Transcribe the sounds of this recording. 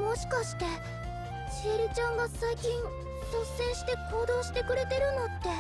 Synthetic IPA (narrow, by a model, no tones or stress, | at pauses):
mo̞ɕi̥kaɕi̥t̪e̞ | ɕeːɾʲit͡ɕãŋɡasaikʲĩn | sosẽ̞ɰ̃ɕi̥t̪e̞ko̞ːd̪o̞ːɕi̥t̪e̞kɯ̟ɾe̞t̪e̞ɾɯ̟no̞t̪ːe̞